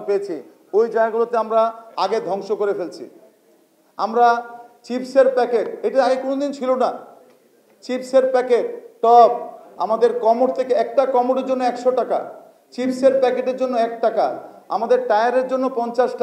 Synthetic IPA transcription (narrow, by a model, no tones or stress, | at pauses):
peet͡ɕʰi | ojd͡ʑaɡulot̪eamɾaa̰ɡed̪ʱɔŋʃokoɾefelt͡ɕʰḭ | amɾat͡ɕipseɾpɛkeʈejʈaaɡekonod̪int͡ɕʰilona | t͡ɕipseɾpɛkeʈʈɔp̚a̰mad̪eɾkɔmoʈt̪ʰekeɛk̚ʈakɔmoʈeɾd͡ʑonːoɛkʃoʈaka̰ | t͡ɕipseɾpɛkeʈeɾd͡ʑonːoɛk̚ʈaka̰ | a̰mad̪eɾʈajaɾeɾd͡ʑonːopɔnt͡ɕaʃʈ